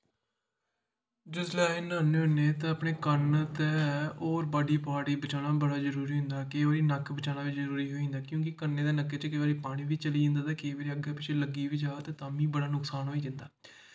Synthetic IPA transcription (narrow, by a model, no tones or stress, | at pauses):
d͡ʒʊslaːenaːneʊneːt̪ãːəpɳeːkənt̪ɛːoːɾbaːɖiːpaːɽiːbət͡ʃaːnaːbəɽaːzəɾuːɾiːɦʊ̃nd̪aːkeːʋaːɾiːnəkbət͡ʃaːɽnãːʋɪt͡ʃzəɾuːɾiːɦoːĩːnd̪aːkjõːk̬ɪkənːẽːd̪eːnəkːeːt͡ʃkːʋaːɾiːpaːɽ̃ĩːʋiːt͡ʃəliːd͡ʒɪ̃nd̪aːt̪eːkeːʋaːɾiːəɡeːpɪt͡ʃʰeːləɡiːʋiːd͡ʒaːt̪ẽːt̪aːmĩːbəɽaːnʊksaːnɦoːiːd͡ʒ̪ɪ̃nd̪aː